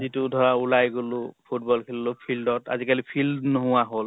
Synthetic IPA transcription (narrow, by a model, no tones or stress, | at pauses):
zitudʱɔɹaulajɡolʊpʰutbɔlkʰilːʊpʰildɔta̰zikalipʰildnɔɦʊwaɦol